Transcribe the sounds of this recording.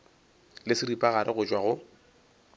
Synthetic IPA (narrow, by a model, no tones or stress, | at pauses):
lɪsɪripʼaɣaɾʔɪɣʊt͡ʃʼwaɣʊ